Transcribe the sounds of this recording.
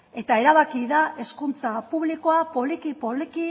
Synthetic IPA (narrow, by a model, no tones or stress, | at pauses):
e̞t̪ae̞ɾaβakiðaʔe̞skunt͡sapuβ̞liko̞apo̞likipoliki